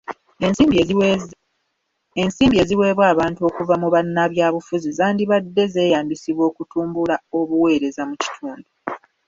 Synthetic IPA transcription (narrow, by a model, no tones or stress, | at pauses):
ensiːmbie̞ːziwe̞ːβwaːβaːntuo̞kuvamuβanːaβjaːβufuzizaːndiβadːe̞ze̞ːjaːmbisiβwo̞ːkutuːmbulao̞βuwe̞ːɾe̞zamuci̥tʰuːndu